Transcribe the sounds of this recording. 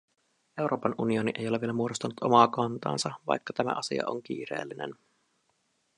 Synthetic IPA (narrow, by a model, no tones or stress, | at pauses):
e̞wɾo̞ːpɑnʔunio̞niʔe̞̰jo̞leʋielæmuodost̪ɑnut̪o̞̰mɑːkɑnt̪ɑ̰ːnsɑʋɑ̰jkːɑt̪æmæ̰ʔɑsḭɑ̰ʔo̰ŋk̟ḭːɾe̞̰ːlːinḛn